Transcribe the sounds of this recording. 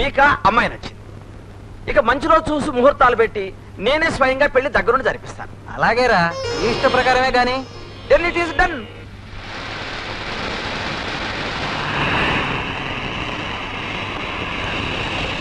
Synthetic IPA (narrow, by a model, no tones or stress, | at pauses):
miːkɐɐmːaːjɐnɐt͡ʃːind̪i | ikɐmɐɲt͡ʃiloːt͡ʃuːsimuɦuɾt̪aːlupe̞ʈːi | neːneːsʋɐjɐŋɡaːpeɭːid̪ɐɡːɐɾuɳːɖid͡ʒɐɾipist̪a̰ːnuɐ̰laːɡɐːɾaːiːʂʈɐpɾɐkaːɾɐmeːɡaːni | ɖelːiʈiːs̬uɖɐn